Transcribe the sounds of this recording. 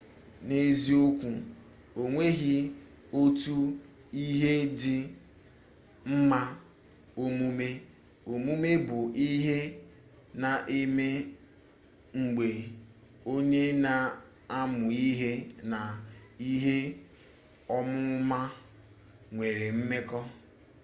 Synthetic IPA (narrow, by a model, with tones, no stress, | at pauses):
ne˦zi˦o˦kʷu˨ | o˨ŋʷe˦ɣɪ˦ | o˦tu˦ | i˦ɦe˦dɪ˨ | m̩˦ma˦ | o˦mu˦me˦ | o˨mu˦me˦bʊ˨ʔi˦ɦe˦ | na˨ʔe˦me˦ | ŋ͡m̩˨ɡ͡be˨ | o˦ɲe˦na˨ | a˦mʊ˨i˦ɦe˦na˨i˦ɦe˦ | ɔ˦mʊ˦ma˦ | ŋʷe˨ɾe˨m̩˦me˦kɔ˦